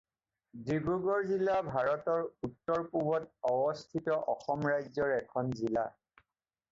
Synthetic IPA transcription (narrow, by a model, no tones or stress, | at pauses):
dɹiɡuɡɔɹzilabʱaɹɔtɔɹutːɔɹpubɔtɔbɔstʰitɔʔɔxɔmɹajzɔɹɛkʰɔnzila̰